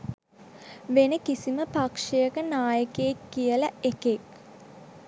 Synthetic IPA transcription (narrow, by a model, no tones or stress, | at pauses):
ʋenəkisiməpakʂejəkənaːjəkeːkːijələekek